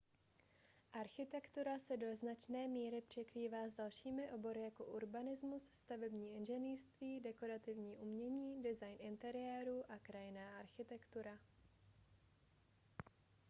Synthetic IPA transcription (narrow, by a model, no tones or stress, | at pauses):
ʔaɾxɪt̪ɛkt̪uɾasɛdo̞znat͡ʃnɛːmiːɾɪpr̝̥ɛkɾiːvaːzdalʃiːmɪʔo̞bo̞ɾɪjako̞ʔuɾbanɪzmusst̪avɛbɲiːʔɪnʒɛniːrst̪viːdɛko̞ɾat̪ɪvɲiːʔumɲɛɲiːdɪzajnʔɪnt̪ɛɾɪɛːɾuʔakɾajɪnaːʔaɾxɪt̪ɛkt̪uɾa